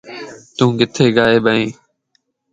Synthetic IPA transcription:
t̪ũːɡɪt̪ʰeːɡaːeːɓəẽː

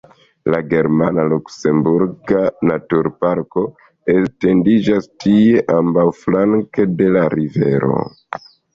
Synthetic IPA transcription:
laɡe̞ɾmanalukse̞mbuɾɡanatuɾpaɾko̞ | este̞ndid͡ʒastieʔambawflaŋke̞de̞laɾive̞̰ɾo̞̰

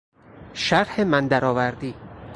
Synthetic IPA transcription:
ʃæɾhemænd̪æɾɒːvæɾd̪iː

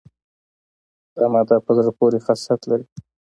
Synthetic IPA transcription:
amɑd̪ɑpəzəɾpoɾexasat̪laɾi

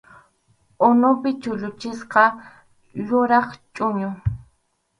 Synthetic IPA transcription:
onopɪt͡ʃʊʎʊt͡ʃɪsqɑ | jʊɾɑχt͡ʃʼʊɲʊ

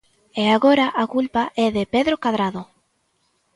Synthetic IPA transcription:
ɛaɣoɾaʔakulpaʔɛðɪpeðɾokaðɾaðo

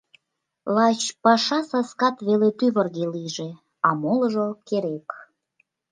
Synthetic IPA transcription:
lɑt͡ɕpɑʃɑsɑskɑt̪βelet̪yβərɣeliʒe | ɑmolə̆ʒəkeɾek

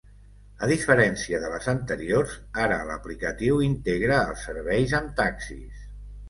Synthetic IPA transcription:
əðifəɾɛnsiəðələzənt̪əɾioɾzaɾələ̰plikət̪iwint̪eɣɾəːlˠsəɾβɛjzəmt̪aksḭs

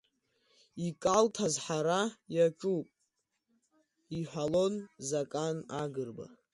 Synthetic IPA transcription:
ikʼaltʰazħaɾajat͡ʃʼupʼ | iħʷᶣalonzakʼanaɡɨrba̰

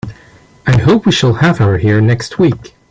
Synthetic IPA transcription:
aɪɦoʊpwiʃəlˠhævaʊə˞hiɹnɛkst̚ʰwik

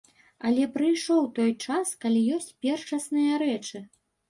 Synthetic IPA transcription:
ɐlʲɛpɾɨjʂɔwt̪ɔjt͡ʂaskɐlʲijɔsʲt͡sʲpʲɛrt͡ʂɐsnɨjɐɾɛt͡ʂɨ

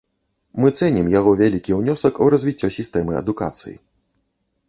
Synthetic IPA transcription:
mɨt̪sɛnʲimjaɣɔvʲalʲikʲiwnʲɔsɐkurɐzʲvʲit͡sʲːɔsʲist̪ɛmɨɐ̰d̪uka̰t̪sɨ̰jḭ

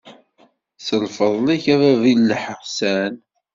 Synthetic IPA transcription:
səlfəðˤlæçævævilːəħəʁsæn

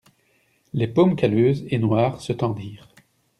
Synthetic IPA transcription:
lepomkʲaløːzenwaːʁsət̪ɑ̃d̪iːʁ

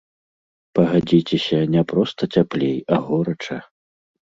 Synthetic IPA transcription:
pɐɣad͡zʲit͡sʲɛsʲɐnʲɛpɾɔst̪ɐt͡sʲaplʲejɐɣɔɾɐt͡ʂɐ

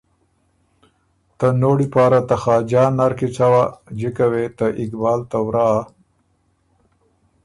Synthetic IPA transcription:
t̪ənoɽipɑːɾat̪axɑːd͡ʒɑːnaɾkit͡ʃawad͡ʒikawet̪əʔɪkbɑːlt̪awɾɑː

